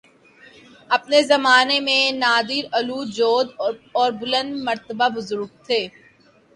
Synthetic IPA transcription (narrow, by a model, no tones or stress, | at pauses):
ɐpnezɐmaːnemẽnaːd̪ɪɾɐluːd͡ʒoːd̪ɔːɾbʊlə̃nd̪mɐɾt̪əbabʊzʊɾk̚t̪ʰeː